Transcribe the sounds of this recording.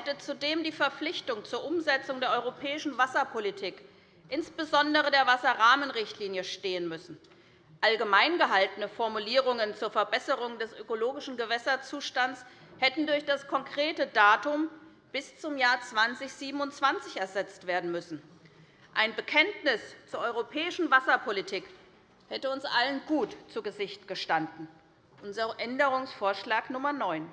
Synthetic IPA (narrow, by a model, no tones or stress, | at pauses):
hɛtət͡sudeːmdiːfɛɐflɪçtʊŋt͡suːɐʔʊmzɛt͡sʊŋdeːɐʔɔʏʁopʰɛːɪʃn̩vasɐpʰolitʰiːk | ʔɪnsb̥əzɔndəʁədeːɐvasɐʁaːmənʁɪçtʰliːnjəʃteːənmʏsn̩ | ʔalɡəmaɪnɡəɦaltənəfɔɐmuliːʁʊŋənt͡suːɐfɛɐbɛsəʁʊŋdɛsʔøkoloːɡɪʃn̩ɡəvɛsɐt͡suːʃtant͡ss | hɛtn̩dʊɐçd̥askʰɔŋkʁ̥eːtədaːtʊm | b̥ɪst͡sʊmjaːɐt͡sv̥ant͡sɪçz̥iːbm̩ʊntt͡sv̥ant͡sɪçɛɐzɛt͡stv̥eːɐdn̩mʏsn̩ | ʔaɪnbəkʰɛntnɪst͡suːɐʔɔʏʁopʰɛːɪʃn̩vasɐpʰolitʰiːk | hɛtəʊnsʔalənɡuːtt͡suɡəzɪçtɡ̥əʃtandn̩ | ʔʊnzɐʔɛndəʁʊŋsfoːɐʃlaːknʊmɐnɔʏn